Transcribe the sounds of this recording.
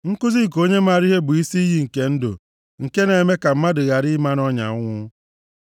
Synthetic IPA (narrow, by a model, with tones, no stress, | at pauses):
ŋ̩˦kʊ˦zi˦˨k̬o˦ɲe˦ma˨ɾi˦ɦe˦bʊ˨i˦si˦i˦ɦi˦ŋ̩˨ke˦n̩˦do̰˨ | ŋ̩˨ke˦ne˨me˦ka˨m̩˦ma˦dʊ˨ɣa˨ɾi˦ma˦nɔ˦ɲa̰˨ʊ˦ŋʷʊ˦